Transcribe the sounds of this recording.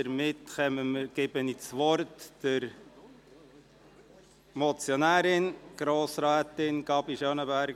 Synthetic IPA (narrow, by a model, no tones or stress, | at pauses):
əɾmɪtχɛməməɡ̥ɪbənit͡sʋɔɾtd̥ɪɾ | mɔt͡sjɔnæːɾɪnɡ̥ɾoːsɾæːt̪ɪnɡ̥ɑbiʃœnəbæɾɡ